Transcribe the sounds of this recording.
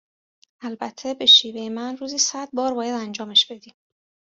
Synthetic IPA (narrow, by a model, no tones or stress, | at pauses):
ælbæt̪ʰːe̞be̞ʃiːve̞jemænruːziːsæd̪̚bɒːɾbɒːjæd̪ænd͡ʒɒːmeʃb̥e̞d̪iːm